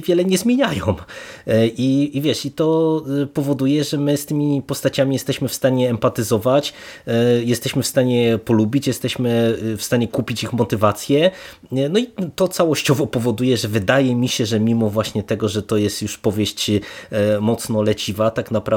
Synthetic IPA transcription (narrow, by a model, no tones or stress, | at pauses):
vʲjɛlɛɲɛzmʲjeɲajɔ̃w̃ | ʔiːvʲjɛʂit̪ɔpɔvɔd̪ujɛʐɛmɘst̪ɘmʲipɔst̪at͡ɕamʲijɛst̪ɛɕmɘfst̪aɲɛːmpat̪ɘzɔvat͡ɕ | jɛst̪ɛɕmɘfst̪aɲɛpɔlubʲit͡ɕjɛst̪ɛɕmɘfst̪aɲɛkupʲit͡ɕixmɔt̪ɘvat̪sʲjɛ | nɔit̪ɔt̪sawɔɕt͡ɕɔvɔpɔvɔd̪ujɛʐɛvɘd̪ajɛmʲiɕɛʐɛmʲimɔvwaɕɲɛt̪ɛɡɔʐɛt̪ɔjɛst̪juʂpɔvʲjeɕt͡ɕ | mɔt̪snɔlɛt͡ɕivat̪aknapɾa